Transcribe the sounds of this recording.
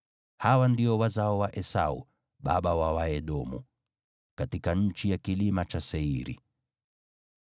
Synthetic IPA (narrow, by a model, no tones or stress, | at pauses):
hawandiɔwazaɔwaʔɛsaṵ | ɓaɓawawaɛɗɔmṵ | katikaɲ̩t͡ʃijakilimat͡ʃasɛiɾḭ